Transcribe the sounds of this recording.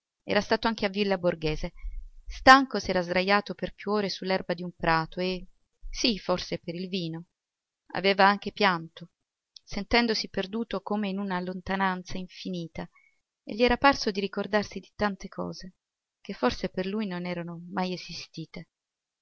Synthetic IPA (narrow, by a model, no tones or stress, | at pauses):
ɛ̰ːɾast̪aːt̪oaŋk̟eavːilːaborɡeːzest̪aŋkosɛːɾazd̪ɾajːaːt̪operpjuoːɾesulːɛrbad̪iumpɾaːt̪oe | siforsepeɾilviːno | a̰veːvaaŋk̟epjant̪o | sent̪ɛnd̪osiperd̪uːt̪okomeinunalont̪anant̪saiɱfiniːt̪a | ḛʎːiɛːɾaparsod̪iɾikord̪arsid̪it̪ant̪ekʰɔ̰ːze | k̟efːorseperlujnonɛːɾanomajezist̪iːt̪e